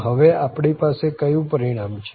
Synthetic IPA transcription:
ɦəʋeapɳipasekəjũpəɾiɽ̃amt͡ʃʰ

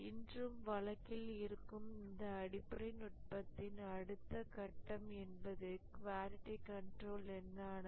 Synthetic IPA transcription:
ɪndrɯmʋɐɭɐkːɪlɪɾɯkːɯmɪnd̪ɐːɽɪpːɐɾɐɪnʊʈ̚pɐt̪ːɪnɐɽɯt̪ːɐkɐʈːɐmɛnbɐðɯkʋaːɾɪʈːikɐɳʈroːlɛnːaːn

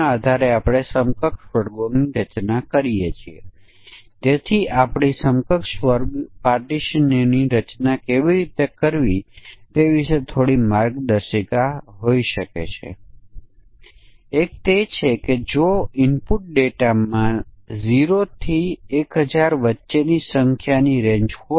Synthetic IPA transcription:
aad̪ʱaɾeapɽ̃esəmkəkʃʋəɾɡoniɾət͡ʃnakəɾijet͡ʃʰiḛ | t̪et̪ʰiʔapɽ̃isəmkəkʃʋəɾɡpaɾʈiʃənniɾət͡ʃnakeʋiɾit̪ekəɾʋit̪eʋiʃet̪ʰoɽimaɾɡd̪əɾʃikaɦoiʃəkḛt͡ʃʰḛ | ek̚t̪et͡ʃʰeked͡ʒoɪmpuʈ̚ɖeʈamãziɾot̪ʰiekɦəd͡ʒaɾʋətːʃenisəŋkʰjaniɾẽɲd͡ʒho

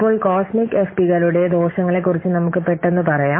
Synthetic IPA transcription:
pːo̞ːɭkoːsmikːefpiɣɐluɽe̞d̪o̞ːɕɐŋːɐɭe̞k̬ːurit͡ɕːɨnɐmukːɨpeʈːe̞nːɨpɐrɐjaː

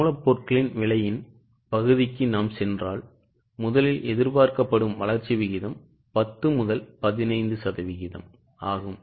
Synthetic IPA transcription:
ɭɐpːoːrkɐɭɪnʋɪɭɐjɪn | pɐɣɯðɪkːɯnaːmsɛndraːl | mʊðɐlɪlʔɛðɪɾpaːɾkɐpːɐɽɯmʋɐɭɐɾt͡ʃːiʋɪɣɪðɐm | pɐt̪ːɯmʊðɐlpɐðɪnɐɪnd̪ɯsɐðɐʋɪɣɪðɐ̰m | aːɣɯm

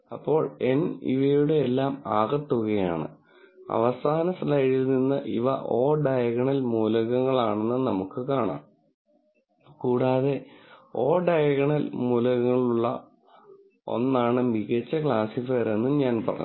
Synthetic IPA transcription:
ɐpːo̞ːɭe̞̰nḭʋɐjuɽeelːaːmaːɣɐt̪ːuɣɐjaːɳɨ̰ | ɐ̰ʋɐsaːnɐsɐlɐɽilninːɨʔiʋɐ̰ʔoːɖɐjɐɣɐɳɐlmuːlɐɣɐŋːɐɭaːɳenːɨnɐmukːɨkaːɳa̰ːm | kuːɽaːðe̞o̞ːɖɐjɐɣɐɳɐlmuːlɐɣɐŋːɐɭuɭːɐ̰ | o̞̰nːaːɳɨmiɣɐt͡ɕːɐkɭaːsifɐːɾe̞nːuɲaːnpɐrɐ̰ɲː

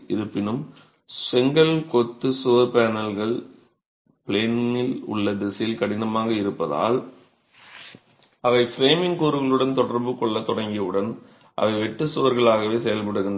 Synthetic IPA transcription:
ɪɾɯpːɪnɯm | sɛŋɡɐlkɔt̪ːɯsʊʋɐɾpeːnɐlɣɐɭ | pɭeːnɪlʊ̰ɭːɐd̪ɛsɐjɪlkɐɽɪnɐmaːɣɐɪɾɯpːɐða̰ːl | ɐʋɐɪfɾeːmɪŋkuːɾɯɣɐɭɯɽɐnt̪ɔɽɐɾbɯkɔɭːɐt̪ɔɽɐŋɡɪɯɽɐn | ʔɐ̰ʋɐɪʋɛʈːɯsɯʋɐɾɣɐɭaːɣɐʋeːsɛjɐlpɐɽɯɣɯnd̪

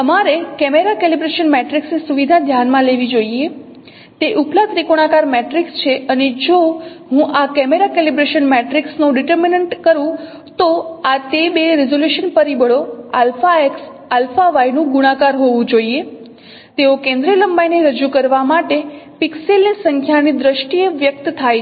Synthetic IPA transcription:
əmaɾekɛmeɾakelibɾeʃənmɛʈɾiksnesuʋid̪ʱad̪ʱjanmãleʋid͡ʒoie | t̪eʔuplat̪ɾikoɽ̃akaɾmɛʈɾikst͡ʃʰeəned͡ʒo | ɦũʔakɛmeɾakelibɾeʃənmɛʈɾiksnũɖiʈəɾminəɳʈkəɾũ | t̪oat̪ebeɾezoljuʃənfəɾibəɭoalfaeks | alfaʋajnũɡuɽ̃akaɾɦoʋũd͡ʒoie | t̪eokẽnd̪ɾiələmbajneɾəd͡ʒukəɾʋamaʈepikselnisəŋkʰjanid̪ɾəʃʈieʋjək̚t̪t̪ʰaj

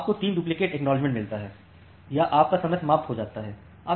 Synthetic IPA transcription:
aːp̚kot̪iːnɖuːp̬lɪkeːʈɛːknɔːlɪd͡ʒmẽɳʈmɪlt̪aɦɛː | jaʔaːp̚kasɐməsmaːft̪ɦod͡ʒaːt̪aɦɛː | aː

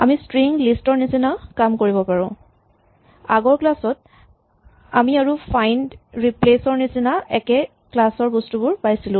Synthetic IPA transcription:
amistɹiŋlistɔɹnisinakamkoɹibɔpaɹɔ̃ | aɡɔɹklasɔt | a̰miaɹupʰajndɹiplesɔɹnisinaɛkɛ | klasɔɹbɔstubʊɹpajsilʊ̃

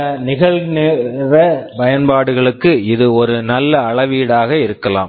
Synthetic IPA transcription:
nɪɣɐɭnɪrɐpɐjɐnpaːɽɯɣɐɭɯkːɯɪðɯɔɾɯnɐlːɐːɭɐʋiːɽaːɣɐɪɾɯkːɐla̰ːm

